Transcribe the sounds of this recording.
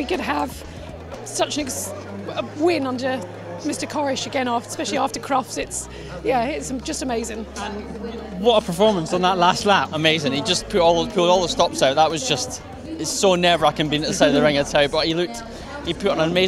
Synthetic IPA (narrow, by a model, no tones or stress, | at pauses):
wikɨd̚əv̥ | sʌt͡ʃə̃nɪk | əwɪ̃nʌ̃ndə˞ | mɪstə˞kʰɑɹɪʃɨɡɛ̃nɔfspɛʃl̩ˠiɑftə˞kʰɹ̥ɒfsɪts | jæɪtsd͡ʒʌstəmeɪzɪ̃ŋə̃nwʌtəpʰə˞fɔɹmə̃nsə̃n̩ðəʔˡlastˡlapəmeɪzɪ̃ŋid͡ʒʌspʰʉʔɔlˠðəpʰʉlˠdɔlˠðəstɔpsaʊʔðəʔwʌzd͡ʒʌst | ɪ̥sonɛə˞aɪkɨ̃nbĩnəʔ̚ðəsaɪdəd̚ðəɹɪ̃ŋə̥tʰaʊbʌʔhilˠʉk̚t | hipʰʉʔnə̃nəmeɪ